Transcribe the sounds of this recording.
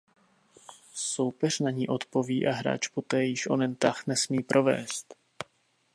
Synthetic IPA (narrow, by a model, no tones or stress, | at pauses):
so̞wpɛr̝naɲiːʔo̞t̪po̞viːʔaɦɾa̰ːt͡ʃpo̞t̪ɛːjɪʃʔo̞̰nɛnt̪axnɛsmiːpɾʔo̞vɛ̰ːst̪